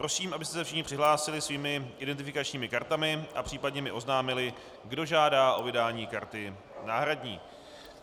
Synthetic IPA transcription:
pɾo̞siːmʔabɪst̪ɛsɛfʃɪxɲɪpr̥ɪɦlaːsɪlɪsviːmɪʔɪdɛnt̪̬ɪfɪkat͡ʃɲiːmɪkaɾt̪amɪʔapr̥iːpadɲɛmɪʔo̞znaːmɪlɪ | ɡdo̞ʒaːdaːʔo̞vɪdaːɲiːkaɾt̪ɪ | naːɦɾadɲiː

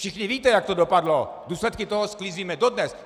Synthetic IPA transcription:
fʃɪxɲɪviːt̪ɛjak̚t̪odopadloduːslɛt̪kɪt̪oɦoskliziːmɛdodnɛs

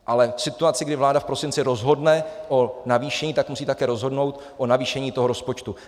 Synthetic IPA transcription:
ʔalɛfsɪt̪uat͡sɪɡdɪvlaːdafpɾo̞sɪnt͡sɪɾo̞zɦo̞dnɛʔo̞naviːʃɛɲiːt̪akmusiːt̪akɛːɾo̞zɦo̞dno̞wt̪ | ʔo̞naviːʃɛɲiːt̪o̞ɦo̞ɾo̞spot͡ʃt̪u

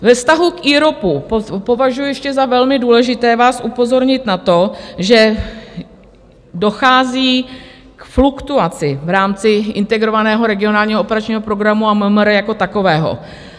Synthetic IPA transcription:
vɛfst̪aɦukiːɾo̞puppo̞vaʒujujɛʃcɛzavɛlmɪduːlɛʒɪt̪ɛːvaːsʔupo̞zo̞ɾɲɪt̪nat̪o̞ʒɛ | do̞xaːziː | kflukt̪uat͡sɪvɾaːmt͡sɪʔɪnt̪ɛɡɾo̞vanɛːɦo̞ɾɛɡɪo̞naːlɲiːɦoopɛɾat͡ʃɲiːɦopɾo̞ɡɾamuaməmɾjako̞t̪ako̞vɛːɦo̞̰

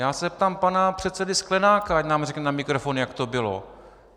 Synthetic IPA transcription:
jaːsɛp̚t̪aːmpanapr̝̥ɛt̪sɛdɪsklɛnaːkaacnaːmrɛknɛnamɪkɾofonjakt̪obɪlo̰

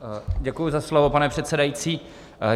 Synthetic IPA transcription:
ɟɛkujuzaslo̞vopanɛpr̥ɛt̪sɛdajiːt͡siː

